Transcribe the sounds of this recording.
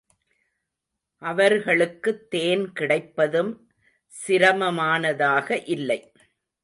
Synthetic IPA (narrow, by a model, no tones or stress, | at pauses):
ʔɐʋɐɾɣɐɭɯkːɯt̪ːeːnkɪɽɐɪpːɐðɯm | sɪɾɐmɐmaːnɐðaːɣɐʔɪlːɐɪ